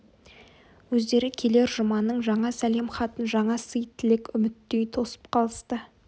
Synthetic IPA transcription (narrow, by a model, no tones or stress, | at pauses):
wɵzd̪e̞ɾɪkʲʰe̞le̞ɾʒʊmɑnːəɴʒɑɴɑsæle̞mχɑt̪ənʒɑɴɑsəjt̪ʰːɪlɪkʲʏmɪt̪ːe̞jt̪ʰo̞sə̥p̚qʰɑlˠəst̪ə